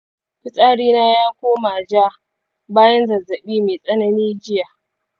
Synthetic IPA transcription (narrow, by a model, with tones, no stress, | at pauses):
ɸɪ˦sʼaː˦ɽiː˦naː˦jaː˦kʷoː˦maː˨d͡ʒaː˦ | baː˦jɐ˦nzɐ˨zɐ˨ɓiː˦meː˨sʼɐ˦nɐ˦niː˦d͡ʒɪ˦ja˨